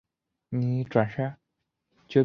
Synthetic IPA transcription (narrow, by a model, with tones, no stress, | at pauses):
ni˨˧˩ʈ͡ʂwa˨˩nʂa˥˩ | t͡ɕɥɛ˧˥